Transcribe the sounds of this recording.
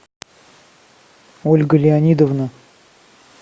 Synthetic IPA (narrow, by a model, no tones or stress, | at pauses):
olʲɡəlʲɪanʲid̪əvnə